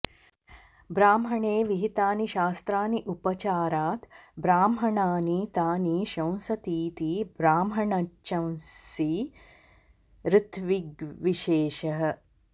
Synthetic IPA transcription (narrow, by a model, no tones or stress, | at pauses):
bɾaːmɦɐɳeːʋiɦit̪aːniʃaːst̪ɾaːniʔupɐt͡ʃaːɾaːt̪bɾaːmɦɐɳaːniːt̪aːniːʃɐ̃w̃sɐt̪iːt̪iːbɾaːmɦɐɳɐɐ̃w̃si | ɾɪt̪ʰʋiɡʋiʃeːʃɐɦɐ̆